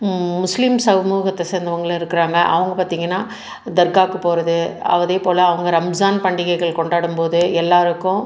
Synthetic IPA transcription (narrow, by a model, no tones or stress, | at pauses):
mʊslɪmsɐʋɐmuːɣɐt̪ːɐseːnd̪ɐʋɐŋɡɐɭɪɾɯkːɪɾaːŋɡɐʔɐ̰ʋɐŋɡɐpaːɾt̪iːŋɡɐnːaː | d̪ɐɾkaːkːɯpoːɾɐðɯɐ̰ʋɐðeːpoːlɐːʋɐŋɡɐɾɐmzaːnpɐɳɖɪɣɐɪɣɐɭkɔɳɖaːɽɯmpoːðɯɛlːaːɾɯkːʊ̃